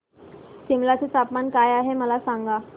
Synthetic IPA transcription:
t͡ɕimlat͡ɕet̪apmankajaɦeməlasãŋɡa

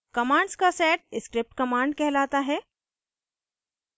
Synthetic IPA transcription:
kɐmãːɳɖskasɛːʈ̚ɪskɾɪp̚ʈkɐmãːɳɖkɛɦlaːt̪aɦɛː

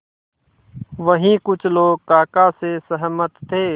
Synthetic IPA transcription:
ʋəɦĩkʊt͡ʃʰloːɡkaːkasesəɦmət̪ːʰeː

